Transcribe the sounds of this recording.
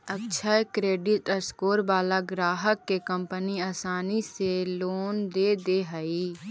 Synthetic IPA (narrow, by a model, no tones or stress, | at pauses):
əkʃʰəkɾeːɖɪʈəɾskoːɾbaːlaɡɾaːɦəkːekə̃mpəniaːsaːniseloːnd̪eːd̪eɦəi